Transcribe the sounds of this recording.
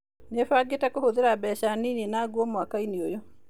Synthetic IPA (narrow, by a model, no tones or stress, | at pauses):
nefaːɡetakohoðeɾabɛɕaniːnenaːɡwɔmwakaineojo